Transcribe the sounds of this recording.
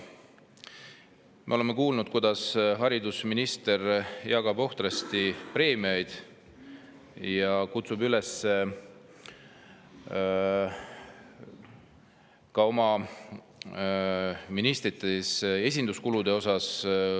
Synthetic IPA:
meo̞e̞mːe̞kuːlnud̪̚kujd̪̥ɑsɦɑɾid̪usminist̪e̞rjɑɡ̥ɑbo̞ht̪rɑst̪ipre̞ːmiɑjd̪̥ | jɑkut̪subyle̞se | kɑo̞mɑ | minist̪ɾit̪ːˑese̞sʲind̪uskulud̪̥e̞o̞sɑs

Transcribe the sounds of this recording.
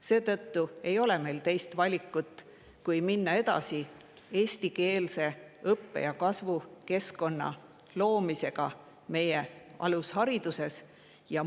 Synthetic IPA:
se̞ːt̪ɤt̪ːue̞jo̞leme̞jlt̪e̞jst̪vɑlʲikːˑut̪ːˑ | kujminːɑe̞d̪̥ɑ̰si | e̞ːst̪ike̞ːlse̞ɤpːe̞̰jɑkɑsvuke̞sko̞nːɑ̰ | lo̞ːmise̞ɡ̥ɑ | me̞jeʔɑ̰lushɑɾid̪̥use̞s | jɑ

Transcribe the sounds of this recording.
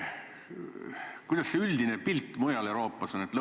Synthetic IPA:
kujd̪̥ɑsseyld̪inepilt̪ːˑmujɑleɾo̞ːpˑːɑso̞net̪lɤ

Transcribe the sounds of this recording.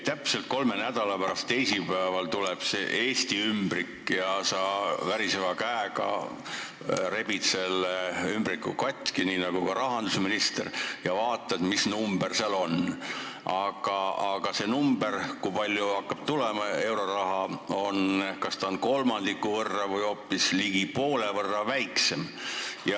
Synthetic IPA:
t̪æpse̞lt̪̚ko̞lme̞næd̪̥ɑlɑpæɾɑst̪ːe̞jsipæevɑlt̪ulɛb̥seʔeːst̪iymbrikːˑjɑsɑːvæɾisevɑkæeɡɑ̰ | re̞bit̪se̞lːeymbrikːˑukɑt̪ʲkiniːnɑɡ̥ukɑɾɑɦɑnd̪̥usminist̪erjɑvɑːt̪ːˑɑet̪misnumberseɑlo̞n | ʔɑɡ̥ɑɑɡ̥ɑse̞numb̥e̞rkujpɑlʲjuɑkːɑb̥̚t̪ulemɑe̞wɾo̞rɑɦɑonkɑst̪ɑonko̞lmɑnd̪̥ikːˑuvɤrːɑvɤjo̞ːpːisliɡ̥ipo̞ːle̞vɤrːɑvæjkse̞mjɑ

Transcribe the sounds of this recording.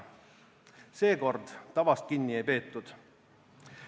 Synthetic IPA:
se̞ːko̞rd̪̥t̪ɑvɑst̪̚kinːiejpe̞ːt̪ːˑud̪̥

